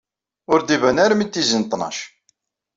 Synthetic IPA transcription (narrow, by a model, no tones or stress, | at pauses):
ʊɾd̪ivænaɾmit̪ːizənt̪ˤːnɑ̰ʃ